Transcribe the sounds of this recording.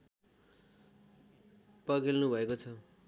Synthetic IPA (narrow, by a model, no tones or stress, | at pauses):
pʌɡilnubʱʌekot͡sʰʌ